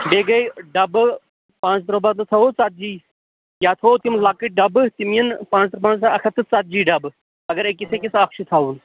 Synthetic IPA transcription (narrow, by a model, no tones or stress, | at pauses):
beːɡɐjɖɐb | pãːt͡st̪ɾobat̪ɨt̪ʰɐot͡sat̪̚d͡ʒiː | jaːt̪ʰoːt̪imlakɨʈ̚ɖɐbt̪imijɐnpãːt͡st̪ɾəbãːnɐkʰɐt̪ɨt͡sat̪̚d͡ʒiːɖɐb | ɐɡɐɾekʲisʰekʲisɐkʃit̪ʰaːuːn